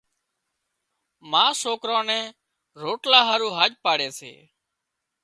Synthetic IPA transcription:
mãːsoːkɾõːnɛ̃ː | ɾoːʈlaːɦaːɾũːɦaːʄpaːɽeːsḛː

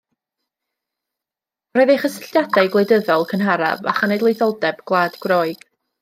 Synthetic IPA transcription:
ɾɔɨðeχəsɪɬdjadajɡlˠejdəðɔlˠkʰənɦaɾa̰va̰χanejdlˠejθɔlˠdɛbɡ̥lˠaːdɡwrɔɨɡ̥

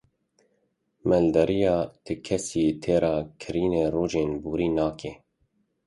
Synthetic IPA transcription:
mɛld̪ɛɾijɑːt̪ʰɨkʰɛsiːt̪ʰeːɾɑːkʰɨɾiːneːroːʒeːnbuːɾiːnɑːkʰeː

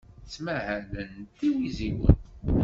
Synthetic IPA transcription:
t͡sːmæhælənt̪iwiziwə̰n

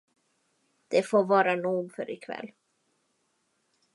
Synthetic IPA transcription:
d̪̥ɛfoːvɑːɾanuːɡfœ̰ɾɪkʰvɛ̰lː

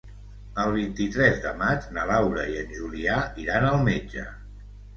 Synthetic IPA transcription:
əlˠβ̞int̪it̪ɾɛzðə̰mad͡ʒnəlawɾəiənʲʒuliaiɾanəlˠmed͡ʒə̰

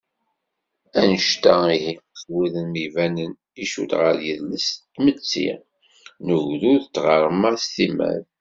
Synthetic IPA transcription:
ænəʃt̪æihiəswiðənmivænən | iʃṵlʁəɾjəðləst̪mət͡sːḭ | nəʝðuðət͡sːʁəɾˤmast̪imæ̰ð

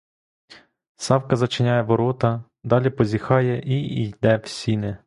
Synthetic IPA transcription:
sɑwkɐzɐt͡ʃɪnʲɑjɛʋɔɾɔt̪ɐ | d̪ɑlʲipɔzʲixɑjɛʔiijd̪ɛwsʲinɪ

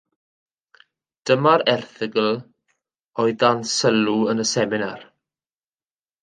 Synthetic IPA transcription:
d̥əmaɾɛrθɪɡəl | ɔɨdansəluənəsɛmɪnar

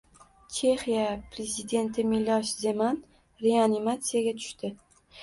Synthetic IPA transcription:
t͡ʃʰe̞χijapɾe̞zid̪e̞nt̪ʰɪmɪlɒʃze̞man | ɾeanimat̪sijaɡʲat̪ʰʊ̥ʃt̪ɪ

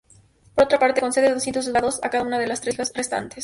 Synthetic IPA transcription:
po̞ɾot̪ɾapaɾt̪eko̞nseeos̬jent̪os̬olðaðosakaðaunaðelast̪ɾeasrest̪a̰nt̪es

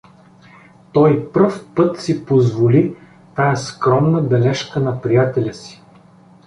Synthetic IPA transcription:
t̪ɔjpfpɤt̪sipozvoli | t̪ajəskɾɔmnəbɛlɛʃkənɐpɾijat̪ɛlʲəsi̥

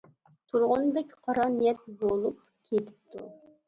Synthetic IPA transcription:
t̪ʰuɾʁʊnbɛkʲqʰɑɾɑnijɛt̪̚bolˠup̚ | kʲʰet̪ʰɪ̥p̚t̪ʰu

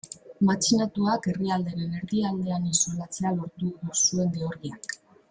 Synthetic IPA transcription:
mat͡ʃinat̪uake̞riald̪e̞ɾene̞ɾðiald̪e̞aninsulat͡se̞alo̞ɾt̪uðusue̞nd̪e̞oɾɣiak

